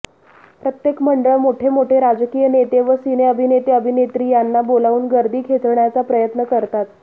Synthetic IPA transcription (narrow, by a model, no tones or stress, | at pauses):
pɾət̪jekməɳɖəɭmoʈʰemoʈʰeɾad͡zkiːjənet̪eʋəsineəbʱinet̪eəbʱinet̪ɾiːjanːabolauːnɡəɾd̪iːkʰet͡sɳjat͡sapɾəjət̪nəkəɾt̪at̪̚